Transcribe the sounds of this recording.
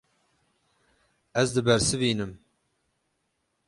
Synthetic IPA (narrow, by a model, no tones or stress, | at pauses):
ɛzd̪ɨbɛɾsɨviːnɨm